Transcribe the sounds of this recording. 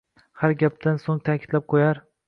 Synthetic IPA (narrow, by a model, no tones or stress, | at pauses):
haɾɡʲap̚t̪ansoŋt̪ʰakʲʰɪ̥t̪lap̚qʰojaɾ